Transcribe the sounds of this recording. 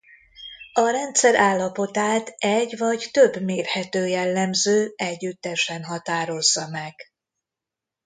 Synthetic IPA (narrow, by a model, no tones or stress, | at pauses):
ɒɾɛnt̪sɛɾʔaːlːɒpo̞t̪aːt̪ɛɟvɒɟt̪øbmeːrhɛt̪øːjɛlːɛmzøːɛɟːyt̪ːɛʃɛnɦɒt̪aːɾo̞zːɒmɛɡ̥